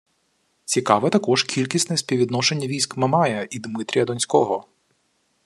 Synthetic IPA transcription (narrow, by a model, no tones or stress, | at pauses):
t͡sʲikɑʋɛt̪ɐkɔʒkʲʰilʲkʲisnɛsʲpʲiʋʲid̪nɔʃenʲːɐʋʲijs̬ʲkmɐmɑjɐid̪mɪt̪ɾʲijɐd̪ɔnʲsʲkɔɦɔ